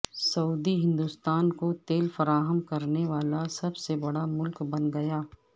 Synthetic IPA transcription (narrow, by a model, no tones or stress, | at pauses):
sɐuːd̪iɦɪ̃nd̪ust̪aːnkot̪eːlfɐɾaːɦəmkɐɾneʋaːlasɐbsebɐɽamʊlkbɐ̃nɡɐjaː